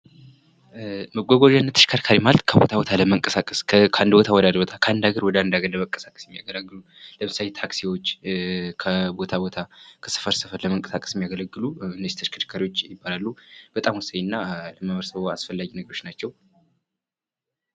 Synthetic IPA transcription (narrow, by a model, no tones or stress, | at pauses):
məɡʷoɡoʒanːət̪ʰə̥ʃkʰaɾkʰaɾimalt̪kʰəbo̞t̪ʰabo̞t̪ʰaləməŋkʼəsakʼəskkʰand̪bo̞t̪ʰawɔd̪ad̪bot̪ʰakʰəand̪aɡəɾwɔd̪and̪aɡəɾəβəŋkʼːə̥sakʼə̥sjɛmːijaɡələɡːɨlu | ləmɨsajet̪ʰaksiwo̞t͡ʃːkʰəbo̞t̪ʰabo̞t̪ʰakʰə̥sɨ̥fəɾsɨfəɾləməŋkʼə̥sakʼə̥sjɛmijaɡələɡːɨluɨnːəzit̪ʰəʃkʰəʃkʰaɾiwo̞t͡ʃːjɪbːalalːub̥ət̪ʼamwusəjnːaləməməɾsəβoasfəlːaɡinəɡəɾo̞t͡ʃːnat͡ʃːɛw